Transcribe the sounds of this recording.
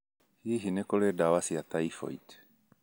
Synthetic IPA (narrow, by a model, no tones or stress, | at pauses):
hiɦinɛkolɛdawasiat̪ajfo̰jt̪